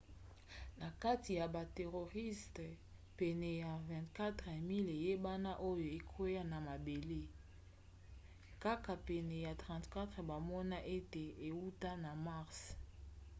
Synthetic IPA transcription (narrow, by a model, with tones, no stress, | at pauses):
na˨ka˦ti˨ja˨ba˨te˨ʁo˨ʁi˦st | pɛ˨nɛ˨ja˨vɛ̃˨ntka˦tʁe˨mi˦le˨je˦ba˦na˦ʔo˦jo˨e˨kʰo˦ja˦na˨ma˨be˨le˦ | ka˦ka˨pɛ˨nɛ˨ja˨tʁã˨ntka˦tʁe˨ba˨mɔ˦na˦ʔe˦te˨e˨wu˦ta˦na˨ma˦ʁs